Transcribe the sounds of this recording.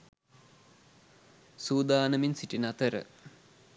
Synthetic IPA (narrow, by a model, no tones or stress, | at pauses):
suːd̪aːnəminsiʈinɐt̪əɾə̰